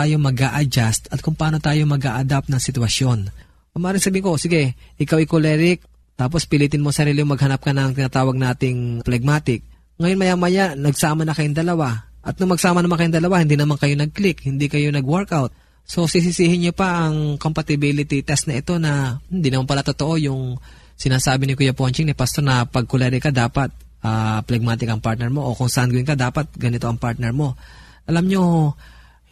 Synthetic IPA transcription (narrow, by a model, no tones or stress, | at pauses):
aːjo̞mɐɡaʔɐd͡ʒast̪ɐt̪̚kʊŋpɐʔaːno̞t̪aːjo̞mɐɡa̰ːʔɐd̪ap̚nɐŋsɪt̪ʊwɐsjo̞n | ɐŋmʔaːɾɪŋsɐbiːɪŋko̞sɪɡɛʔɪkawʔɪkolɛɾɪk̚ | t̪aːp̬o̞spɪliːt̪ɪnmosɐɾiːlɪʊŋmɐɡhɐnap̚kɐnɐŋt̪ɪnaːt̪aːwɐɡ̚naːt̪ɪŋplɛɡ̚maːt̪ɪk̚ | ŋɐjonmɐjaːmɐjaʔnɐɡsaːmɐnɐkɐjoŋd̪ɐlɐwaʔɐt̪̚nʊŋmɐɡ̚saːmɐnɐmankɐjonŋd̪ɐlɐwahɪnd̪iːnɐmankɐjo̞nɐɡ̚klɪkhɪnd̪ikɐjo̞nɐɡwɛɹkawt̪̚ | so̞sɪs̬ɪsiːhɪnɲopɐʔɐŋko̞mpɐt̪ɪbilɪt̪ɪt̪ɛst̪nɐʔɪt̪o̞nɐhɪnd̪inɐmanpɐlat̪ot̪o̞ʔo̞jʊŋ | sɪnaːsaːbɪnɪkujapont͡ʃɪŋnɪpast̪o̞ɾnɐpɐɡ̚kʊlɛɾɪkɐd̪aːpɐt̪̚ | ʔaplɛɡ̚maːt̪ɪkɐŋpaɾt̪̚nɛɹmo̞ʔokoŋsaʔanɡwɪŋkɐd̪aːpɐt̪̚ɡɐnɪt̪o̞ʔɐŋpaɹt̪̚nɛɹmo̞ | ʔɐlamɲo̞